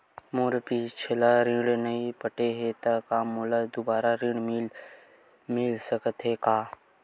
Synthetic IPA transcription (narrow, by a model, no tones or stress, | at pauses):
moːɾpit͡ʃʰelaɾɪ̃ɽnəĩpəʈeɦet̪akaːmoːlad̪ʊbaːɾaɾɪ̃ɽmɪl | mɪlsəkət̪ɦekaː